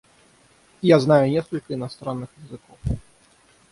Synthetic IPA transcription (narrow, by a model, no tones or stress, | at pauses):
jaznajunʲɛskɐlʲkɐinast̪ɾanːɨxjazɨkɔf